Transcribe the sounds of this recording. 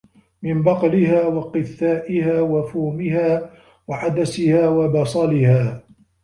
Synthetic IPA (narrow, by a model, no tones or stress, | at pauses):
mɪmbɑqɑlɪɦaːwɑqɨθːaːʔɪhaːwafuːmɪhaː | waʕad̪asɪhaːwabɑsˤɑlɪhaː